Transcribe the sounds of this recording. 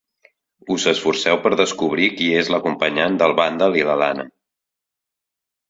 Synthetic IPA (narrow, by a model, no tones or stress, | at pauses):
uzəsfursɛwpəɾðəskuβ̞ɾikiezləkumpəɲand̪əlˠβand̪əliləla̰nə̰